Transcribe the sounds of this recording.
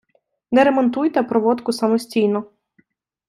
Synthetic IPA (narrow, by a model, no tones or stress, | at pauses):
nɛɾɛmɔnt̪ujt̪ɛpɾɔʋɔt̪kʊsɐmɔsʲtʲijnɔ